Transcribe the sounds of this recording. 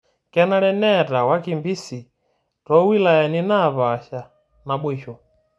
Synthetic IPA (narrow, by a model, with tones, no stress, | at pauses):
kɛ˦na˦ɺɛ˦nɛ˦ta˨wa˦ki˨mbi˦si˨ | tɔ˦wi˦la˨jɛ˨ni˦na˦˨βa˨ʃa˨ | na˨ɓwɛ˨ʃɔ˨